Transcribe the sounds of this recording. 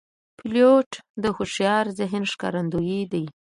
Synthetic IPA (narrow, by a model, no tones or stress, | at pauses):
pɪljoʈd̪əxoʃjɑɾzɪɦɪnʃkɑ̰ɾand̪ujid̪aj